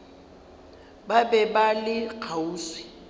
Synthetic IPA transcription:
babɛbalɪkʰauːswɪ̥

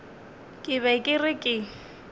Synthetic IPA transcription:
kʼɪβɛkʼɪrɪkʼɪ

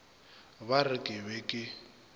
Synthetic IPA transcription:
βarɪkʼɪβɛkʼɪ

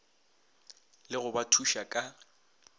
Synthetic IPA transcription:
lɪɣʊbatʰuʃakʼa

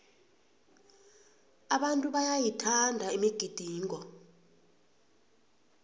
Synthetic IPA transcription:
aɓantʼuɓajajitʰandʱaimiɡ̥ʱid̥ʱiːŋɔ

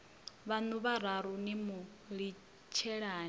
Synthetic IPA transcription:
βanuβaɾaɾunimu | ɺi | t͡ʃʰɛɺaː

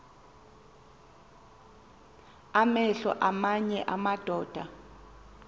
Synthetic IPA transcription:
amɛɬɔ̰ʔamaɲɛʔamad̥ʱɔːd̥ʱa

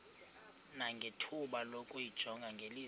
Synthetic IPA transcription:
naŋɡʱetʰuɓalokʼujid̥ʒ̥ʱɔŋɡʱaŋɡʱeli

